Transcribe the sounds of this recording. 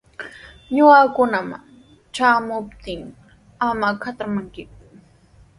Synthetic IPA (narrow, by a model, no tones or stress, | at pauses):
ɲʊakʊnama̰ŋ | ʈ͡ʂaːmʊpt̪ɪŋ | amakat̪amaŋkɪ